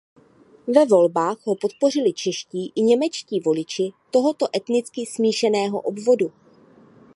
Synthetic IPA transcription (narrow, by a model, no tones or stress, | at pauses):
vɛvo̞lbaːxɦo̞po̞t̪̚po̞r̝ɪlɪt͡ʃɛʃciːʔɪɲɛmɛt͡ʃciːvo̞lɪt͡ʃɪt̪o̞ɦo̞t̪o̞ʔɛt̪nɪt͡skɪsmiːʃɛnɛːɦo̞̰ʔo̞bvo̞du